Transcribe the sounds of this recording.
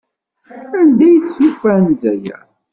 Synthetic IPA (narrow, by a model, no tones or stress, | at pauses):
ænd̪æjθsufænzæjæ̰